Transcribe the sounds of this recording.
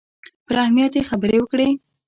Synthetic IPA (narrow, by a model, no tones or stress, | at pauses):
pəɾahmijat̪jexabəɾewəkɽe